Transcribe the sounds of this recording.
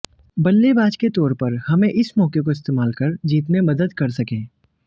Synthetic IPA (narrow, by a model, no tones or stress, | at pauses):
bɐlːebaːd͡ʒket̪ɔːɾpɐɾhɐmẽʔɪsmɔːkekoɪst̪eːmaːlkɐɾd͡ʒiːt̪mẽmɐd̪əd̪kɐɾsɐkẽː